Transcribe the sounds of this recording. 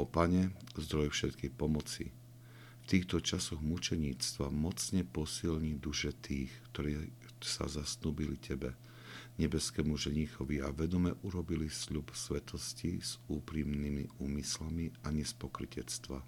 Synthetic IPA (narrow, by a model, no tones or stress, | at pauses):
ɔpaɲɛzd̪ɾɔjfʃɛt̪kixpɔmɔt͡sḭ | ft̪iːxt̪ɔt͡ʃasɔɣmut͡ʃɛɲiːt͡st̪ʋamɔt͡sɲɛpɔsilɲid̪uʃɛt̪ʰiːxkt̪ɔɾɛː | sa̰zasnuːbilicʰɛbɛ | ɲɛbɛskɛmuʒɛɲixɔʋiaʋɛd̪ɔmɛʔuɾɔbilisʎupsʋɛt̪ʰɔsciz̥uːpɾimnimḭuːmislamiaɲɛspɔkɾicɛt͡st̪ʋa̰